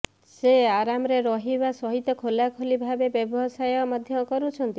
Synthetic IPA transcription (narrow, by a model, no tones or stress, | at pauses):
seaɾamɔɾeɾɔɦibasɔɦit̪ɔkʰolakʰolibʱabebjɔbɔsajɔmad̪ʱjɔkɔɾut͡ʃʰɔnt̪i